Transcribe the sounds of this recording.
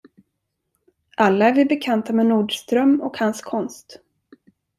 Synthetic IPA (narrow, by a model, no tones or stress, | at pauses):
ʔalːaæɾvɪbɛkʰant̪amɛnuːɖʂt̪ɾœmːɔkhanskʰɔnst̪